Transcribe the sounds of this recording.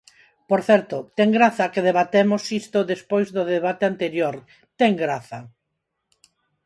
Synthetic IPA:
poɾθɛɾt̪ot̪ɛŋɡɾaθɐkeðeβat̪emosist̪oðespojzðʊðeβ̞at̪eant̪eɾjoɾ | t̪ɛŋɡɾaθɐ

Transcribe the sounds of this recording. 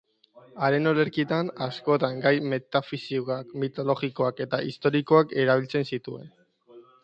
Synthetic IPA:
aɾe̞no̞leɾkit̪anasko̞t̪aŋɡajme̞t̪afisiɣakmit̪o̞lo̞ɣiko̞ake̞t̪aʔist̪o̞ɾiko̞ake̞ɾaβ̞ilt͡se̞nsit̪ue̞̰n

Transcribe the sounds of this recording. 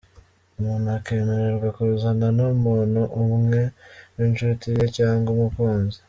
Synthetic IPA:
umuːnuakeːmeɾeɾɡakuɾuzananomuːnuʔumŋŋe̞nwint͡ʃutijecaːŋɡomukwaːnze̥

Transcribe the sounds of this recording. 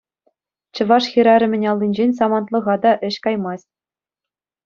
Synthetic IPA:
t͡ɕɤ̆ʋɑʂxʲiɾɑɾʲɘ̆mʲɘ̆nʲɑlʲˠːinʲd͡ʑenʲs̬ɑmɑnt̪lˠɤ̆ʁɑd̪ɑʔɘ̆ɕkɑjmɑsʲ

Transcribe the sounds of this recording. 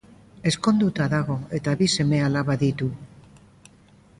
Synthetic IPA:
e̞sko̞nd̪ut̪aðaɣ̞o̞e̞t̪aβise̞me̞alaβaðit̪u

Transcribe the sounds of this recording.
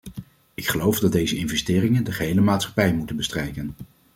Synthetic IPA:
ɪkχəlowvdɑd̚dejzəɪnvɛstɪːrɪŋəndəχəɦejləmaːtsχɑ̥pɛjmutənbəstrɛjkən

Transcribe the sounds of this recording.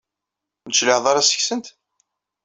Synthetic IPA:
nət͡sːləħðˤɑɾɑsə̥çsənt̪

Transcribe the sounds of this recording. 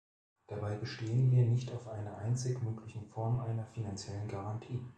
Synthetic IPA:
d̥abaɪbəʃteːənviːɐnɪçtaʊfʔaɪnɐʔaɪnt͡sɪkmøːklɪçn̩fɔɐmʔaɪnɐfinant͡sjɛlənɡaʁantʰiː

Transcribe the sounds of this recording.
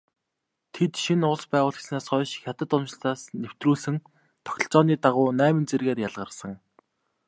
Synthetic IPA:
t̪ʰet̪ʃinʊɮspæːʁʊːɮxesnaːsχɔːʃxʲat̪ə̆t̪ʊnt͡ɕɪ̆ɬt͡saːsnew̥t̪ruːɮsɘ̆ŋ | t̪ʰɔ̥xʲɞ̆ɬt͡sɔːniːt̪aʁʊːnæːmɘ̆nt͡serɣeːrjaɮʁə̆rsə̆ŋ

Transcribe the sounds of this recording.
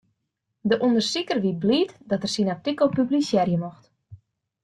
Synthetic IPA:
dəʔundərsikərʋibliːtdɔtərsinap̚tikopyblisjɛrjəmɔxt

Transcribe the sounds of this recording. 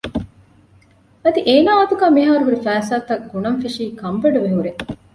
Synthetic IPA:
ɐd̪iʔeːnaːɐt̪uɡæːmiɦaːɾuɦuɾifæːsaːt̪ɐɡunɐnfiʂiːkɐmbɐɖɐʋeɦuɾe

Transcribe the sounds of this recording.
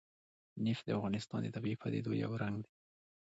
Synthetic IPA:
nɪfd̪əafɣɑnɪst̪ɑ̰nd̪ət̪abipad̪ḛd̪oja̰wɾaŋɡd̪e

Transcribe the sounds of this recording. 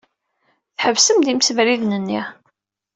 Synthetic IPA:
θħəvsəmd̪imsəvɾiðnənːi

